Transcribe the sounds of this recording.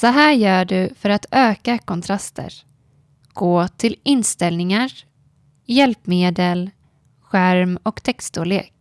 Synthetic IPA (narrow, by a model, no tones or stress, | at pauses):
sɔɦæːɾjœːɖɵfœɾat̪øːkakʰɔnt̪ʰɾast̪ʰə̰ɾ | ɡ̥oːt̪ʰɪlɪnst̪ɛlnɪŋaɾ | jɛlpmeːd̪əl | ɧæɾmɔkt̪ʰɛkst̪oleːk̚